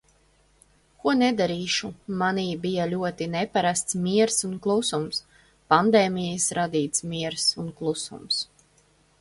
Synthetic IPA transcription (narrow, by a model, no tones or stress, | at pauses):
kuɔnɛd̪aɾiːʃumaniːbijalʲuɔt̪inɛpaɾast̪smiɛɾsunklˠusums | pand̪eːmʲijsɾad̪iːt̪smʲiɛɾsunklˠusṵms